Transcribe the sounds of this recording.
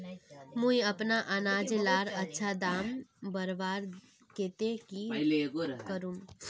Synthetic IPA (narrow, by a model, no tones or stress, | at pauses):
mũĩɐpnaʔənaːd͡ʒelaːɾətːʃʰad̪aːmbəɾʋaːɾ | keːt̪eki | kəɾũm